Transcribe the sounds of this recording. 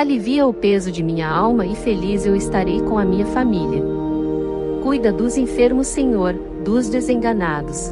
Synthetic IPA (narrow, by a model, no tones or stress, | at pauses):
aliviɐʊpezʊd͡ʒɪmĩɲɐawmɐɪfelizewɪst̪aɾejkõɐmĩɲɐfamiliɐ | kujd̪ɐd̪ʊzẽfeɾmʊsẽɲoɾ | d̪ʊzd̪ezẽŋɡɐnad̪ʊs